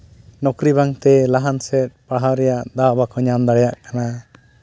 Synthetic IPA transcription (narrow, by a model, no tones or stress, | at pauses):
nɔkɾiβaŋt̪ɛlaɦansɛt̪̚paɽɦawɾɛjaʔd̪awbakɔɲamd̪aɽɛjaʔkana